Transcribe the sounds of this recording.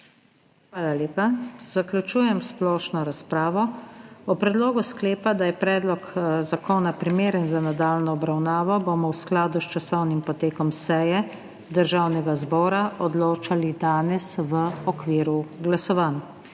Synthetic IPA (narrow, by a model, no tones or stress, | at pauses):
xʋaːlaleːpaz̥akljut͡ʃuːjɛmsplɔːʃnɔɾaspɾaːʋɔɔpɾɛd̪loːɡuskleːpad̪ajɛpɾɛːd̪lɔkzakoːnapɾimeːɾənzanad̪aːlnɔːbɾawnaːʋɔboːmɔwsklaːd̪ust͡ʃasɔwnimpɔt̪eːkɔmsɛjɛ | d̪əɾʒaːwnɛɡazbɔːɾaʔɔd̪loːt͡ʃalid̪aːnɛsʋəɔkʋiːɾuɡlasɔʋan